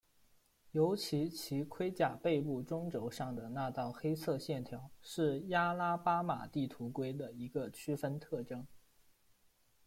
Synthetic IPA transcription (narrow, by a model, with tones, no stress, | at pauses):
jo˧˥ʊt͡ɕʰi˧˥t͡ɕʰi˧˥kʰwe˥ɪt͡ɕja˨˩pe˥˧ɪpu˥˩ʈ͡ʂʊ˥ŋʈ͡ʂo˧˥ʊʂɑ˥˩ŋd̪ə˩na˥˧t̪ɑ˥˩ʊxe˥ɪt͡sʰɤ˥˧ɕjɛ˥˩nt̪ʰjɑ˧˥ʊʂɻ̩˥˩ja˥la˥pa˥ma̰˨˩t̪i˥˩t̪ʰu˧˥kwe˥ɪd̪ə˨i˧˥ɡə˧t͡ɕʰy˥fə˥nt̪ʰɤ˥˩ʈ͡ʂɤ˥ŋ